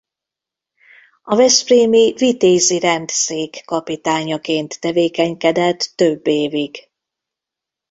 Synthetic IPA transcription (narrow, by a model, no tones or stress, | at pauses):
ɒvɛspreːmivit̪eːziɾɛnt̪seːkːɒpit̪aːɲɒkeːnt̪ːɛveːkɛɲkɛd̪ɛt̪ːø̞bːeːviɡ